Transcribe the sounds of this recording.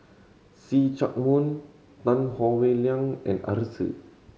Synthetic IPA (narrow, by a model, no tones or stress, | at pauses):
sit͡ʃak̚mũn | t̪ãnhɔweliãŋɛ̰̃na̰ɾsḭ